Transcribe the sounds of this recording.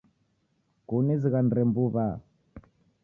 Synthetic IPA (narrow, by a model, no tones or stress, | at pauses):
kuniziɣandɾɛmbuβa